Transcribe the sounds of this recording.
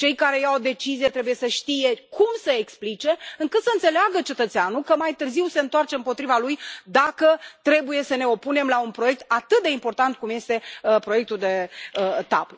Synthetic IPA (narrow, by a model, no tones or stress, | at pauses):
t͡ʃe̞jkaɾe̞jawd̪e̞t͡ʃizijet̪ɾe̞buje̞səʃt̪ije̞kʰumsəeksplit͡ʃe̞ɨŋkɨt̪səɨnt̪se̞leaɡət͡ʃe̞t̪ət̪seanukəmajt̪ɨrziwse̞ɨnt̪oart͡ʃe̞ɨmpo̞t̪ɾivalujd̪akət̪ɾe̞buje̞səne̞o̞pune̞mlaunpɾoje̞k̚t̪̚at̪ɨt̪̚d̪e̞impo̞rt̪ant̪̚kumje̞st̪e̞pɾo̞je̞k̚t̪uld̪e̞t̪a̰p